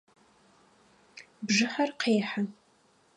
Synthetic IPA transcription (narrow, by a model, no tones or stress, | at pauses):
bʐɨħarqʰeːħa